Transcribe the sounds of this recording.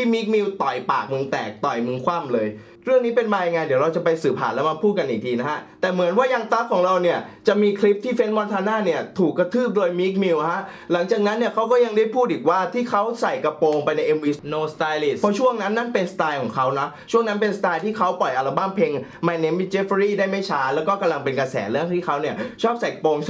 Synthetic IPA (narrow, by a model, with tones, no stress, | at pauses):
iː˥˩miː˦˥k̚mi˧wt̪ɔ˨˩jpaː˨˩k̚mɯ˧ŋt̪ɛː˨˩k̚t̪ɔ˨˩jmɯ˧ŋkʰwa˥˩mlɤː˧j | ɾɯ˥˩əŋniː˦˥pe˧nmaː˧ja˧jŋa˧jd̪i˩˦wɾa˧wt͡ɕa˨˩pa˧jsɯː˨˩pʰːa̰ː˨˩nlɛ˦˥wma˧pʰuː˥˩t̪̚ka˧nʔiː˨˩k̚diː˧na˦˥kʰa˦˥t̪ɛː˨˩mɯ˩˦nwaː˥˩jaː˧ŋt̪a˦˥kʰːɔː˨˩˦ŋɾa˧wni˥˩ɐt͡ɕa˨˩ʔmiː˧kʰli˦˥p̚t̪ʰiː˥˩fe˦˥nwɔ˧˦˥nt̪ʰaː˧naː˥˩ni˥˩ɐt̪ʰuː˨˩kːa˧t̪ʰɯː˥˩p̚doː˧jmiː˦˥k̚miː˧wha˦˥ʔ | la˩˦ŋt͡ɕaː˨˩k̚na˦˥nːi˥˩ɐkʰa˦˥wkɔː˥˩ja˧ŋdaː˥˩jpʰuː˥˩t̪̚ʔiː˨˩k̚waː˥˩t̪ʰiː˥˩kʰa˦˥wsa˨˩jka˧poː˧ŋpa˧jna˧jʔe˧mʔiː˧noː˧st̪aː˧jli˦˥˩pʰɔ˦˥t͡ɕʰu˥˩əŋna˦˥nːa˥˩npe˧nsat̪aː˧jkʰɔː˩˦ŋkʰa˦˥wna˦˥t͡ɕʰu˥˩əŋna˦˥np̬e˧nsat̪aː˧jt̪ʰiː˥˩kʰa˦˥wpɔ˨˩jʔa˧la˧˩baː˥˩ŋpʰeː˧ŋma˧ne˦˥mːi˦˥t͡ɕe˦˥fɾiː˥˩daː˥˩jma˥˩jt͡ɕʰaː˦˥lɛː˦˥wkɔː˥˩ka˧mla˧ŋpe˧nka˧sɛ̰ː˩˦lɯ˥˩əŋt̪ʰiː˥˩kʰa˦˥wni˥˩ɐt͡ɕʰɔː˥˩p̚sa˨˩jka˧poː˧ŋ